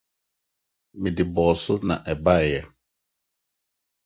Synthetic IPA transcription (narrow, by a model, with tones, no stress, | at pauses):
mi˨di˨bɔː˨sʊ˦na̰˨ʔɛ˨ba˦˨jɛ˨